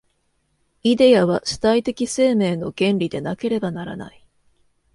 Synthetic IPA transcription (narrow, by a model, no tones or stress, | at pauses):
id̪e̞jaβ̞aɕiɨ̥t̪ait̪e̞kʲise̞ːme̞ːno̞ɡẽ̞nɾʲid̪e̞nake̞ɾe̞banaɾa̰na̰i